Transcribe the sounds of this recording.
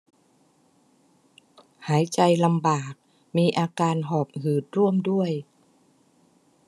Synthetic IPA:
haː˩˦jt͡ɕa˧jla˧mbaː˨˩k̚ | miː˧ʔaː˧kaː˧nɦɔː˨˩p̚hɯː˨˩t̪̚ɾu˥˩əmdu˥˩əj

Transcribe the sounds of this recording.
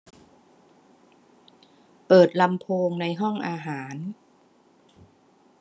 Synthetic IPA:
pɤː˨˩t̪̚la˧mpʰoː˧ŋna˧jɦɔ˥˩ŋʔaː˧ɦaː˩˦n

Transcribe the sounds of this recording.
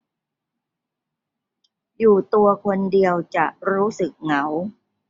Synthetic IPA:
juː˨˩t̪u˧ɐkʰo˧ndi˧əwt͡ɕa˨˩ʔɾuː˦˥sɯ˨˩k̚ŋa˩˦w

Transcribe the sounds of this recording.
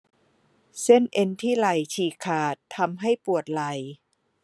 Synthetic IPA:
se˥˩nʔe˧nt̪ʰiː˥˩la˧jt͡ɕʰiː˧˩kʰaː˨˩t̪ʰːa˧mɦa˥˩jpu˨˩ət̪̚la˧˩j

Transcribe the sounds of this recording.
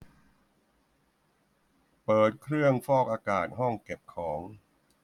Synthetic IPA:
pɤː˨˩t̪̚kʰɾɯ˥˩əŋfɔː˥˩k̚ʔaː˧kaː˨˩t̪̚ɦɔ˥˩ŋke˨˩p̚kʰɔː˩˦ŋ

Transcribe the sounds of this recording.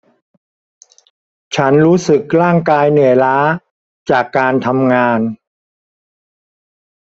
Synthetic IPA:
t͡ɕʰa˦˥nɾuː˦˥sɯ˨˩k̚ɾaː˥˩ŋkaː˧jnɯ˩˦laː˦˥ | t͡ɕaː˨˩kːaː˧nt̪ʰa˧mŋaː˧n

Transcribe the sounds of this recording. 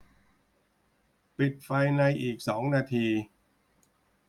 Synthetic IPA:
pi˨˩t̪̚fa˧jna˧jʔiː˨˩k̚sɔː˩˦ŋnaː˧t̪ʰiː˧

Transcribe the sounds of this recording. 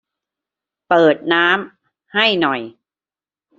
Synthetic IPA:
pɤː˨˩t̪̚naː˦˥m | ha˥˩jnɔ˨˩j

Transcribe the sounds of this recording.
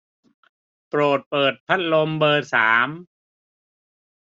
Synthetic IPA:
pɾoː˨˩t̪̚pɤː˨˩t̪̚pʰa˦˥t̪̚lo˧mbɤː˧saː˩˦m

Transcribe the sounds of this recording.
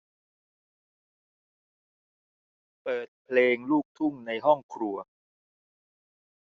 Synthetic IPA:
pɤː˨˩t̪̚pʰleː˧ŋluː˥˩k̚t̪ʰu˥˩ŋna˧jɦɔ˥˩ŋkʰɾu˧ɐ

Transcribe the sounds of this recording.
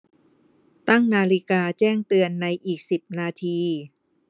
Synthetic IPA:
t̪a˥˩ŋnaː˧li˦˥kaː˧t͡ɕɛː˥˩ŋt̪ɯ˧ənːa˧jʔiː˨˩k̚si˨˩p̚naː˧t̪ʰiː˧

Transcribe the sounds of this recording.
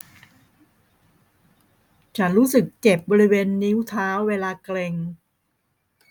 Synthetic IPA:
t͡ɕʰa˦˥nɾuː˦˥sɯ˨˩kːe˨˩p̚bɔː˧ɾi˦˥weː˧nːi˦˥wt̪ʰaː˦˥wːeː˧laː˧kle˧ŋ

